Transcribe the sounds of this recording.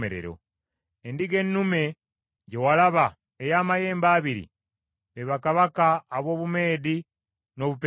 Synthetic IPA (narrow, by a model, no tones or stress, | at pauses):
eɾḛɾo̞̰ | endiɡe̞nːume̞ | ɟewalaβa | ejaːmaje̞ːmbaːβiɾḭ | βeβakaβakaːβo̞ːβume̞ːdi | no̞βupe